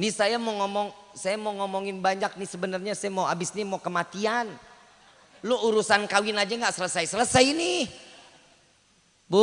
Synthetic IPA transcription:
nisajamoŋɔmɔŋsajamoŋɔmɔŋɪnbaɲak̚nihsəbənərɲasajamoabɪsɲimokəmat̪ian | lʊuɾusankawɪnad͡ʒaŋɡaʔsələsajsələsajnih | bu

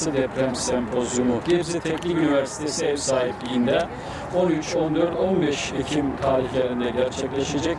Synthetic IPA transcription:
ɯd̪ɛpʰɾɛmsɛmpʰozjumuɟɛbzɛt̪ʰecʲlʲiyniveɾsi̥t̪ʰesiɛfsaːɦiplʲijind̪ɛ | onyt͡ʃʰo̞nd̪øɾd̪o̞nbɛʃecʰimk̪ʰaːlʲicæɾind̪ɛɟæɾt͡ʃʰɛclˠaʃad͡ʒak

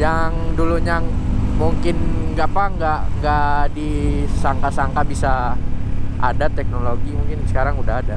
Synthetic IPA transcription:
jaŋduluɲamuŋkɪnɡapaŋɡaʔŋɡaʔdisaŋkasaŋkabisa | a̰dat̪ɛk̚noloɡimuŋkɪnsə̥kaɾaŋudaɦada

